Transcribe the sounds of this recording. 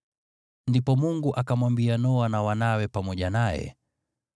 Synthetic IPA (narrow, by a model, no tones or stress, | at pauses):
ndipɔmuŋɡuʔakamwambianɔwanawanawɛpamɔʄanajɛ̰